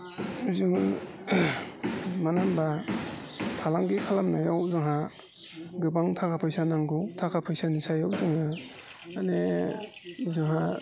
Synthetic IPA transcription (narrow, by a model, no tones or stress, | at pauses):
uzɯŋɯ | manamba | tʰalaŋɡikʰalamnajawzɯŋɦa | ɡɯbaŋtʰakʰapʰajsanaŋɡutʰakʰapʰajsanisajawzɯŋaː | ne | uzɯŋɦa